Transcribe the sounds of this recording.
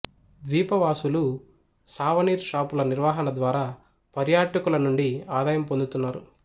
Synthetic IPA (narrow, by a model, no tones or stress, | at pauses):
ʋiːpɐʋaːsulu | saːʋɐniːɾʃaːpulɐniɾʋaːɦɐnɐd̪ʋaːɾaː | pɐɾjaːʈɐkulɐnuɳɖiaːd̪aːjɐmpond̪ut̪unːaːɾu